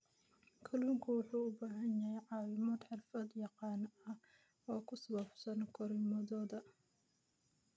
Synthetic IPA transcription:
kʰɐluːŋkʰʊwʊħuːʊbaːɦɐnjɐɦɛjʕɑːlɪmaːd̪ħɑrfɐd̪jɑqɑːnɐ | ɔːkʰʊsɐwɐfsɐnkʰɔɾɪmɔðɔːðɐ

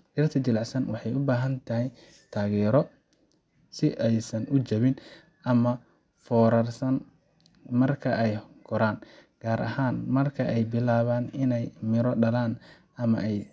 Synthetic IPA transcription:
dɪrt̪ʰɐd͡ʒɪlɑʕsɐnwɑħɑjʊbaːɦɐnt̪ʰɐɦɛj | t̪ʰaːɣɛːɾɔ | sɪʔɛjsɐnʔʊt͡ʃɐβɪn | ʔɐmɐ | fɔːɾɐrsɐn | mɐrkʰɐʔɛjɡ̥ɔɾaːnɡ̥aːɾɐ̰ɦaːnmɐrkʰɐʔɛjbɪlaːβaːnɪnɛjmɪɾɔɖɐlaːn | ɐmɐ̰ʔɛj

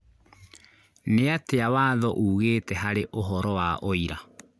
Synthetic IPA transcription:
neateawaːðɔʔuːɣeːtɛɦaɾeʔoɦɔɾɔwaʔoiɾa

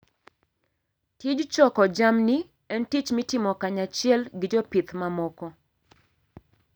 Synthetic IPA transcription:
tid͡ʒt͡ʃɔkɔd͡ʒamni | ɛntit͡ʃmitɪmɔkaɲat͡ʃɪɛlɡɪd͡ʒɔpit̪mamɔkɔ

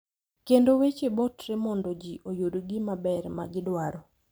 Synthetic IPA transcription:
kendowet͡ʃebotremɔndod͡ʒiʔojudɡɪmabɛɾma̰ɡɪdwaɾɔ

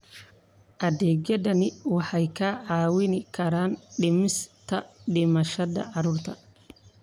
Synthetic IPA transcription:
ʔɐd̪ɛːɡjɐðɐnɪwɑħɑjkʰaʕɑːwɪnɪkʰɐɾaːnɖɪmɪst̪ʰɐɖɪmɐʃɐðɐ̰ʕɑɾuːrt̪ʰɐ

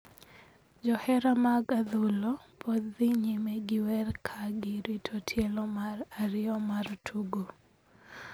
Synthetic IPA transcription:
d͡ʒɔhɛɾamaɡaðulopʰɔd̪iɲimɛɡɪwɛrkʰaɡɪɾitʰotʰjelɔmaraɾɪɔmartʰuɡo

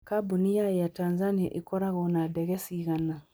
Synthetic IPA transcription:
kabunijajatãnzanija̰ʔikɔɾakɔnadɛɡɛsikana

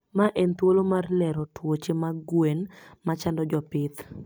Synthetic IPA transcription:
maʔent̪wolomarlɛɾɔtwot͡ʃemaɡwenmat͡ʃandɔd͡ʒɔpɪt̪

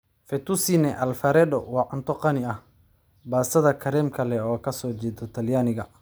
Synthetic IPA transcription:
fɛt̪usinɛʔɐlfɐɾɛːdɔ̰wɑːʕʊnt̪ʰɔqɑnɪɐh | baːsɐðɐkʰɐɾɛːmkʰɐlɛɔːkʰɐsɔːt͡ʃɛːd̪ɔt̪ʰɐljaːnɪɣɐ

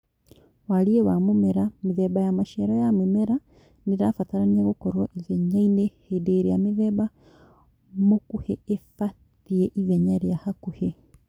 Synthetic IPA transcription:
waliewamumeɾamiðebajamaʃeɾojamimeɾa | niɾafataɾanieɣukoɾoʔiveɲainehedeːɾijamiðeba | mukuheefat | ieʔiveɲaɾjahakuhe

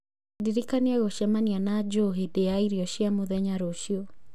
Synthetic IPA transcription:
diɾikaneɛɣoʃɛmanianad͡ʒoɦedejaiɾiɔʃiamoðɛɲaɾoʃiɔ

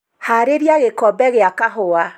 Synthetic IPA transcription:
haɾeɾjaɣekɔbɛɣeakaɦʊa

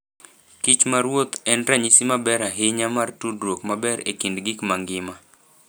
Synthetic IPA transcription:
kit͡ʃmaɾwot̪ɛnɾaɲisimabɛɾaɦɪɲamartudɾokmabɛɾḛkindɡikmaŋɡɪma

